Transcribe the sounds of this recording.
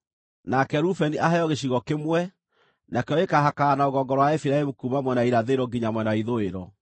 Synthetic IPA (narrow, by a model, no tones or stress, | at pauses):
nakɛɾufɛniʔahajɔɣeɕ̬iɣɔkemwɛ | nakeɔekaɦakaːnaoɣɔŋɡɔɾɔwaɛfiɾaemokumamwɛnaiɾaðeɾɔɡiɲamwɛnaiðoeɾɔ